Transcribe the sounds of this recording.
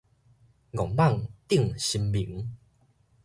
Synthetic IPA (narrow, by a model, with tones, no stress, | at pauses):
ɡɔ˨˩ŋba˥˧˨ŋt̪i˥˧ŋɕi˧mbi˨˩˦ŋ